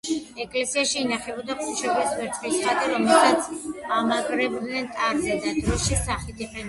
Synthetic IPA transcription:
ɛkʼlɛsiaʃiːnaχɛbɔd̪aχʰuʃɛbɛsvɛɾt̪ʰʼχisɾat̪ʼɛɾɔmɛlsat̪sʰamaɡʼɾɛbd̪nɛnt̪ʼaɾzɛd̪ad̪ɾɔʃisaχit̪ʰiqʼɛni

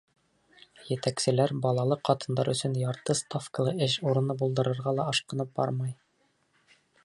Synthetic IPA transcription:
jɘ̆t̪æksɘ̆læɾbɒlˠɑlˠɤqʰːɒt̪ɤ̆nd̪ɑɾɵ̆sɵnjɑɾt̪ɤst̪ofkəlˠɤɘʃuɾɤ̆nɤbulˠd̪ɤ̆ɾɤ̆ɾʁɑlˠɑɒʃqɤ̆nɤp̚bɑ̰ɾmɑj

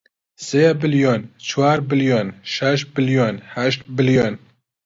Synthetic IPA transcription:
sebɨljoːnt͡ʃʰwaːɾbɨljoːnʃɛʃt̪̚bɨljoːnhɛʃt̪̚bɨljon

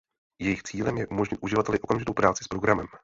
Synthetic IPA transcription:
jɛjɪxt͡siːlɛmjɛʔumo̞ʒɲɪt̪ʔuʒɪvat̪ɛlɪʔo̞kamʒɪt̪o̞wpɾaːt͡sɪ̥spɾo̞ɡɾamɛm

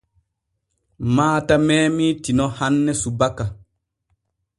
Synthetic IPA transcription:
maːtamɛːmitinɔhanːɛsubaka

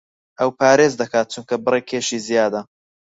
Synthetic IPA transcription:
ʔɐwpʰaːɾeːzd̪ɐkaːt̪̚t͡ʃuŋkʰɐbɨrekʰeːʃiːzijaːd̪ɐ

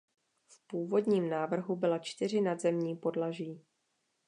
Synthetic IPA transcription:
fpuːvo̞dɲiːmnaːvr̩ɦubɪlat͡ʃt̪ɪr̝ɪnadzɛmɲiːpo̞dlaʒiː

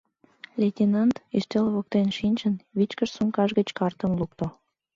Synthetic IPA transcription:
lʲetʲinɑnt̪iʃt̪elβok̚t̪enʃinʲt͡ɕənβit͡ɕkəʃsuŋkɑʒɡət͡ɕkɑrt̪ə̆mluk̚t̪o

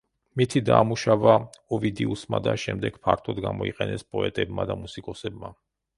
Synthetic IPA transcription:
mit̪ʰid̪amuʃavaɔvid̪iusmad̪aʃɛmd̪ɛɡ̥pʰaɾt̪ʰɔd̪ɡamɔiqʼɛnɛspʼɔɛt̪ʼɛbmad̪amusikʼɔsɛbma

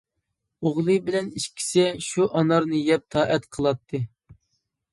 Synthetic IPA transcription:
oʁlˠɨbɪlɛniʃkʲʰi̥sɛʃuʔɑnɑɾnɨjɛp̚t̪ʰɑːʔɛt̪qʰəlˠɑt̪ʰːɨ

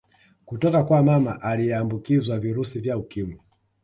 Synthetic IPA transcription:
kutɔkakwamamaʔalijɛambukizwaviɾusivjaukimi

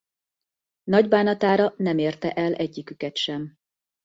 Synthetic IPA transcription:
nɒɟbaːnɒt̪aːɾɒnɛmeːrt̪ɛʔɛlʔɛɟːikykɛt̪ʃɛm

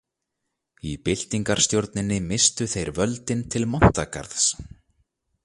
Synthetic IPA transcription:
ipɪl̥t̪iŋkaɾ̥st̪jowɾt̪nɪnːɪmɪst̪ʏθejɾvœlt̪ɪnt̪ʰɪlmɔn̥t̪aka̰ɾðs

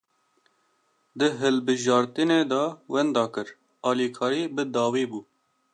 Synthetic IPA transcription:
d̪ɨɦɨlbɨʒɑːɾt̪ɨneːd̪ɑːwɛnd̪ɑːkɨɾ | ɑːliːkʰɑːɾiːbɨd̪ɑːwiːbuː

